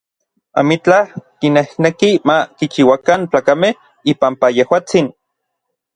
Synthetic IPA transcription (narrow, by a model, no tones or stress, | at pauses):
a̰mit͡ɬakinehnekimakit͡ʃiwakant͡ɬaːkameh | ipampajehwaːt͡sin